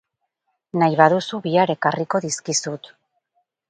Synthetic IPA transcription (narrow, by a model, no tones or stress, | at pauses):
najβaðusuβiaɾe̞kariko̞ðiskisut̪